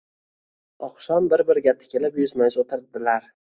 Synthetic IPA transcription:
ɒqʃɒmbɪɾbɪɾɡʲat̪ʰːɪ̥kʲʰelɪpjʊzmajzot̪ʰɪɾd̪ɪlaɾ

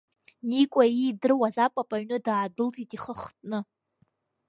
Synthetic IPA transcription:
nikʷʼaidɨrwazapʼapʼaɥnɨdaːbʊltʰʼitʼiχəχtʼnɨ

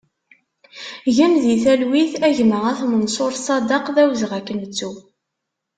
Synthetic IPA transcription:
ʝæmðiθælwiθæʝməʁæθmənsˤoɾˤsˤɑd̪əqðæwzʁækːənt͡sːu

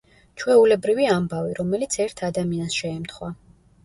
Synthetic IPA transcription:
t͡ʃʰwɛulɛbɾiviambaviɾɔmɛlit̪sʰɛɾt̪ʰad̪amiansʃɛːmt̪χwa

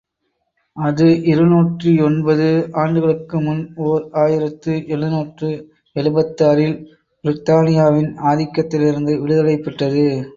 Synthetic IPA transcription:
ɐðɯʔɪɾɯnuːʈriɔnbɐðɯʔaːɳɖɯɣɐɭɯkːɯmʊnoːɾaːjɪɾɐt̪ːɯʔɛɭɯnuːʈrɯ | ɛɭɯbɐt̪ːaːɾɪl | bɪɾɪt̪aːnɪjaːʋɪnaːðɪkːɐt̪ːɪlɪɾɯnd̪ɯʋɪɻɯðɐlɐɪpːɐʈːɐðɯ

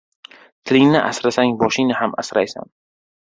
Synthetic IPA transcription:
t̪ʰɪlɪŋnɪʔa̰sɾasaŋbɒʃɪnɪhama̰sɾajsa̰n

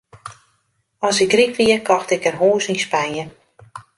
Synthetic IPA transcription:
ɔsɪkrikʋiəkʰɔxtɪkərɦoːsinspanjə

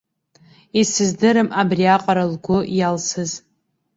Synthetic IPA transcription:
isɨzdɨɾɨmabriaqʼaɾalɡʷʊjalsɨz

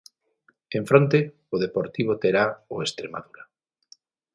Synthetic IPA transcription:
eɱfɾont̪e | ʊðepoɾt̪iβ̞ot̪eɾaoest̪ɾema̰ðuɾa

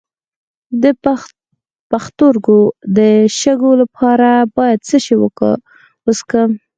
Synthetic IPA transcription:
d̪ə | paxt̪oɾɡod̪əʃəɡolapʰɑɾabɑjad̪̚t͡səʃewəkə̰ | woskə

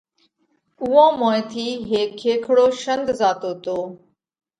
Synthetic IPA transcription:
ʊːãːmõːẽːt̪ʰiːɦeːkʰːeːkʰɽoːʃənd̪ʱzaːt̪oːt̪oː

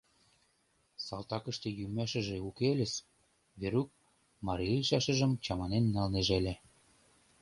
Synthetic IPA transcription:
sɑlt̪ɑkə̆ʃt̪ĕjymæʃə̆ʒeukelʲĕs | βeɾuk̚ | mɑɾiʃɑʃə̆ʒə̆mt͡ɕɑmɑnenːɑlneʒelʲĕ

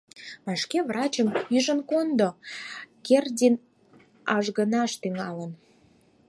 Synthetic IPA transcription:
mɑʃkevrɑt͡ɕəmyʒənkond̪o | kerdʲin | ɑʒɣənɑʃt̪yŋɑlən

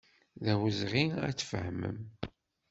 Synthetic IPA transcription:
ðæwəzʁiæ̰t͡sːfə̰hmə̰m

